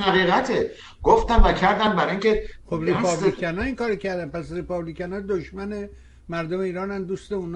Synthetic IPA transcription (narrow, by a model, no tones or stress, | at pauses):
hæɣiːɣæt̪ʰe | ɡ̥oft̪æmvæcʰæɾd̪æmbæɾiŋcexobripʰɒblikʰænɒːiŋkɒːɾocʰæɾd̪ænpæsripɒblikænɒːd̪oʃmæne̞ | mæɾd̪ome̞iːɾɒːnænd̪uːst̪euːn